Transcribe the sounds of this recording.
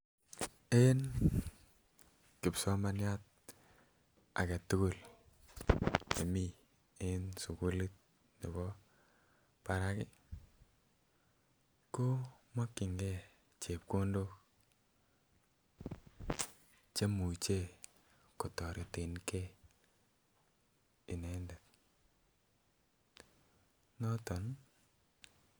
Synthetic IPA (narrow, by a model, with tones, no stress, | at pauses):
e˦n | kɪ˨psɔ˦ma˦nja˦t̚ | a̰˨ke˨tʊ˦ku˦˨l | ḛ˨mi˦ | e˦nsu˨ku˦li˦t̪̚ | ni˨bɔ˦ | pa˨ɾa˦kɪ˦ | ko˦ma˦kːɪ˨ŋɡe˦˨ | t͡ʃe˨p̚ko˦ndo˦ | t͡ʃe˦mu˨t͡ʃe˦˨ | kɔ˨tɔ˨ɾi˨te˨nke˦ | i˨nɛ˨ndɛ˨t̚ | nɔ˦tɔ˨n